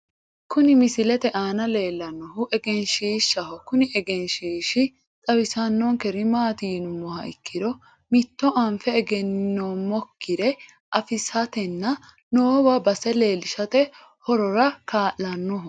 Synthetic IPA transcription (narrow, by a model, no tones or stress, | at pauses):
kʊnɪmɪsɪlɛt̪ɛʔaːnɐle̞ːlːɐnːɔɦʊʔɛɡɛnʃiːʃːɐhɔkʊnɪʔɛɡɛnʃiːʃɪ | t̪ʼɐwɪsɐnːɔŋkɛɾɪmaːt̪iːnʊmːɔhɐ̰ʔɪ̰kːɪd̪ɔ | mɪt̪ːɔʔɐmfɛːɡɛnːoːmɔkʰːɪd̪ɛ | ʔɐfɪsɐt̪ɛnːɐ | noːbɐbɐsɛle̞ːlɪʃɐt̪ɛ | hɔɾɔɾɐkaːʔɐnːɔhʊ